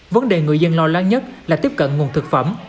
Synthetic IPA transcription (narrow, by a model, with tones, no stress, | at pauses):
və˨˦nɗe˨˩ŋɨ˨˩əjzə˧nlɔ˧laː˨˦ŋɲə˦˥t̚laː˨˩t̪i˦˥əp̚kə̰˧˨nŋu˨˩ənt̪ʰɨ˨˩k̚fə˧˩m